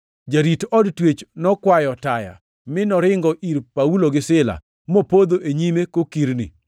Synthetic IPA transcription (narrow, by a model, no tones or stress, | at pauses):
d͡ʒaɾitɔdtwet͡ʃnɔkwajɔtaja̰ | mɪnɔɾɪŋɡɔʔiɾpauloɡɪsɪla̰ | mopod̪oʔeɲimekokiɾnḭ